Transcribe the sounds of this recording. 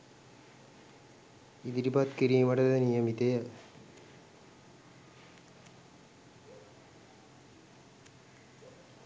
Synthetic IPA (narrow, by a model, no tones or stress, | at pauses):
id̪iɾipat̪kiɾiːʋaʈəd̪ənijəmit̪ejə